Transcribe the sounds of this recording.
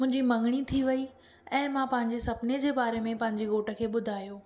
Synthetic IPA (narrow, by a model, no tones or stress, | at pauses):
mʊ̃ɦɪ̃ɲd͡ʑimɐ̃ŋɡɽ̃it̪ʰiʋɐi | ɛ̃ːmãpɐ̃ɦɪ̃ɲd͡ʑesɐbɪned͡ʑeːbaːɾemẽpɐ̃ɦɪ̃ɲd͡ʑiɣoːʈə̆kʰeːɓʊd̪ʱaːjoː